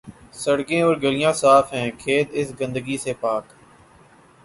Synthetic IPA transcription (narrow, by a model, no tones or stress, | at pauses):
səɽɡẽːɔːɾɡəlɪjãːsaːfɦɛ̃ːkʰeːd̪ɪsɡə̃nd̪əɡisepaːk